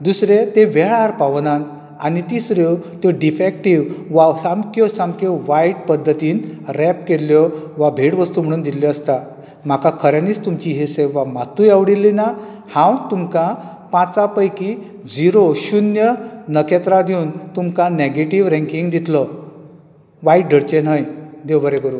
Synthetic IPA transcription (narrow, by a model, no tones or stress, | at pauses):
d̪usɾet̪eʋeɭaɾpaʋnan | anit̪isɾot̪joɖifek̚ʈiʋʋasamkjɔsamkʰɔʋajʈpəd̪ʱːət̪iːnɾɛp̚keljɔʋabʱeʈʋəst̪uːm̤əɽ̃uːnd̪ilɔəst̪a | m̤akakʰəɾjãniːt͡st̪umt͡ɕiɦeseʋamat̪ujaʋɽilːina | hãwnt̪umkã | pãt͡sapəjki | d͡ziɾoɕunjənəkɛt̪ɾad̪iwnt̪umkaneɡeʈiʋɾɛ̃ŋkiŋɡd̪it̪lɔ | ʋaiʈ̚ɖʱəɾt͡ɕenɦajd̪ewbəɾekəɾuː